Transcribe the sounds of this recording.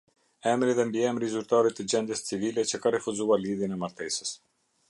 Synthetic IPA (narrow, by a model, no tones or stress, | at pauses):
ɛmɾiðɛmbiɛmɾizyɾt̪aɾit̪ːəd͡ʑɛnd̪jəst͡sivilɛt͡ɕəkarɛfuzualiðjənɛmaɾt̪ɛsə̥s